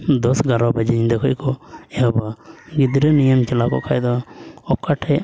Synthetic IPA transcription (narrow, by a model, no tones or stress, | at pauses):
d̪ɔsɡaɾɔbad͡ʒiɲid̪ɛkʰɔjkɔɛabaɡid̪ɾɛnijəmt͡ʃɛlakɔ̰kʰajd̪ɔɔkaʈʰɛ